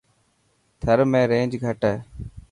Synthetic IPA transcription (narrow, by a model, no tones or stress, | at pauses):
t̪ʰəɾmẽːɾẽːd͡ʒɡʱəʈeː